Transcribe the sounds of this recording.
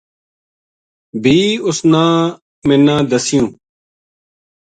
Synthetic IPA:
bʱiːʊsnãː | mẽnːãːd̪əsijũː

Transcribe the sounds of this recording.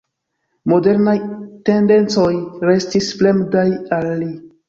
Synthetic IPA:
mo̞de̞ɾnajte̞nde̞nt͡so̞jɾe̞stisple̞mdajalːi

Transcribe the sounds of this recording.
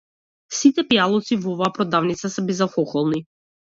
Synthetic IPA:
sit̪ɛpjalˠɔt̪sivɔvaːpɾɔd̪avnit̪sasɛbɛzafɔxɔlˠni

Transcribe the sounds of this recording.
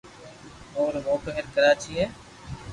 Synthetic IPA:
oːɾɦoːpəɦɪɾkəɾaːt͡ʃʰiːɦeː

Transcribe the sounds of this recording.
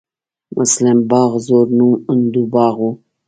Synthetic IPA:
mʔʊ̰slambɑːɣzoɾnumʊnd̪ubɑːɣwu

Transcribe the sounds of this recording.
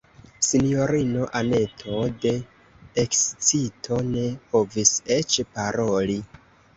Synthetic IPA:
sinijo̞ɾino̞ʔane̞tʰode̞ː | kst͡sitʰo̞ne̞po̞vise̞t͡ʃpaɾo̞li

